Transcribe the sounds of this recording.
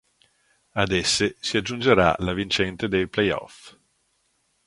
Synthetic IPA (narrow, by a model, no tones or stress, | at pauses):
ad̪ɛsːesiad͡ʒːund͡ʒeɾa̰lavint͡ʃɛnt̪ed̪ejplɛjɔ̰f